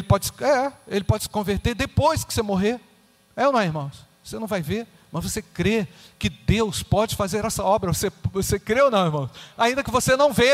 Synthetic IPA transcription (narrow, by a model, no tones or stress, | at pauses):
elɪpɔd͡ʒɪsɪ̥ɛelɪpɔd͡ʒɪsɪ̥kõveɾt̪eɾd̪epojskɪ̥semoɦe | ɛoñɛ̃ɪɾmɐ̃w̃svosenɐ̃w̃vajveɾ | mɐzvosekɾe | kɪd̪ewspɔd͡ʒɪfazeɾɛsɐɔbɾɐvosevosekɾeonɐ̃w̃ɪɾmɐ̃w̃saĩd̪ɐkɪvosenɐ̃w̃ve